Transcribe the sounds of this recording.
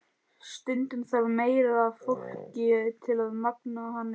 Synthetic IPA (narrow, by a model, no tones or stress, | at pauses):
st̪ʏnt̪ʏnsavmeːjɾaaðfowl̥cɪt̪ʰɪlaðmaknahanːɪ